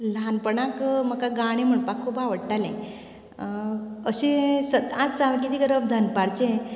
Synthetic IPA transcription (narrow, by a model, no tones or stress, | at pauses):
lanpəɳakməkaɡaɽ̃im̤əɳpakʰːubaʋəɽʈalḛ̃ | əɕẽsəd̪at͡st͡saʋakit̪iːɡəɾəb̚d̪ʱanpaɽt͡ɕẽ